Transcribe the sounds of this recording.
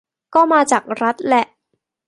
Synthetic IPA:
kɔː˥˩maː˧t͡ɕaː˨˩k̚ɾa˦˥t̪̚lɛ˨˩ʔ

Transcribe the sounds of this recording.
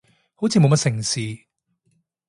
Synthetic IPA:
ho˨˥wt͡sʰiː˧mo˨˧wmɐ˥tsɪ˨˩ŋsiː˨

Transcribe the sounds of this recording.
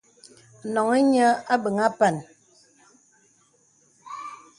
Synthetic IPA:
nɔ˨ŋe˦ɲə˦a˦bə˨ŋa˦pɛ˨n

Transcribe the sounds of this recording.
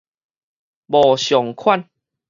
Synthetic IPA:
bɔː˨˩ɕjɔ˨˩ŋkʰwa˥˨n

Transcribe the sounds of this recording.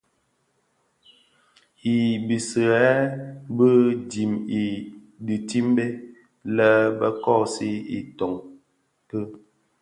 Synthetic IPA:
i˨bi˨sə˨ɛ˦bə˦di˨mi˨ | di˨ti˦mbe˦ | lə˦bə˦kɔ˦˨si˦ḭ˨tɔ˨ŋ | kə˦

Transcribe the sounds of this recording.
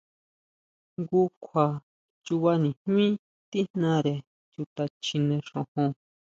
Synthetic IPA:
ŋɡu˧kʷʰa˨ | t͡ʃu˧βa˧nĩ˨hmĩ˦ | t̪i˦n̥nã˧ɾe˨ | t͡ʃu˧t̪a˧t͡ʃĩ˧nẽ˧ʂõ˨hõ˧

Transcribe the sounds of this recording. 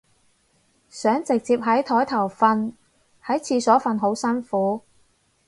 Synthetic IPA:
sœː˨˥ŋt͡sɪ˨k̚t͡siː˧p̚ɦɐ˨˥jt̪ʰɔː˨˥jt̪ʰɐ˨˩wfɐ˧n | hɐ˨˥jt͡sʰiː˧sɔː˨˥fɐ˨˧nɦo˨˥wsɐ˥nfuː˨˥

